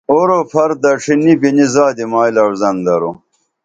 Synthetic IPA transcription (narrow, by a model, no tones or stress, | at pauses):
oɾopʰɐɾd̪ɐʈ͡ʂʰinibinizaːd̪imaːilɐɾzɐnd̪ɐɾo